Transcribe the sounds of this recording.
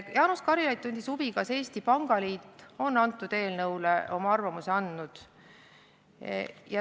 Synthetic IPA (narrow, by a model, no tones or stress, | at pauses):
jɑːnuskɑɾilɑjd̪̚t̪unʲd̪̥ʲisub̥ikɑse̞ːst̪ipɑŋɡ̥ɑliːt̪ːˑo̞nːɑnt̪ːˑud̪̥e̞ːlnɤwleʔo̞mɑɑrvɑmuseɑnd̪nud̪̥ | jɑ